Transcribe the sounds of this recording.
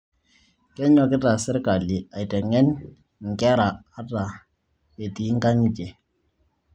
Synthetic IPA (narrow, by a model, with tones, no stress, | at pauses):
kɛ˦ɲɔ˨kɪ˦ta˨sɪ˦ɾka˨li˨a˨i˨tɛ˨ŋɛ˦n | ŋ̩˨kɛ˦ɾa˨a˦ta˨ | e˨ti˨˦ŋ̩˦ka˦ŋi˦t͡ʃe˨